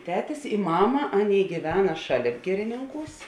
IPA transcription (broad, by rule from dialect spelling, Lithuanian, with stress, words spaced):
ˈtʲæːtʲɪs ɪ ˈmɑːmɐ ˈɑːˌnʲeːɪ ɡʲiːˈʋʲæːnɐ ˈʃɑːˌlʲeːp ˈɡʲɪrʲɪnʲɪŋˌkuːs